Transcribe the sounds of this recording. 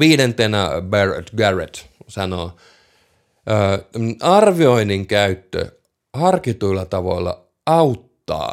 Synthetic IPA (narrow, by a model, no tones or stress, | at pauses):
ʋiːɾent̪enæbert̪ɡæret̪sɑno̰ | əːɑrʋioiniŋkæyt̪ːø̰ | hɑrkit̪uilːɑt̪ɑʋo̰lːɑ̰ | ɑut̪ːɑ̰ː